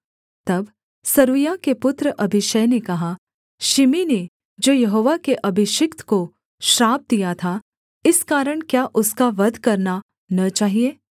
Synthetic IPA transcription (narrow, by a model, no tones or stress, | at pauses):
t̪ɐb | sɐɾujakepʊt̪ɾəʔɐbʱɪʃəjnekɐɦa | ʃɪmine | d͡ʒoːjɐɦoːʋakeʔɐbʱɪʃɪkt̪ko | ʃɾaːb̚d̪ijat̪ʰa | ɪskaːɾəɽ̃kjaʔʊskaʋɐd̪ʱkɐɾna | nɐt͡ʃaːɦieː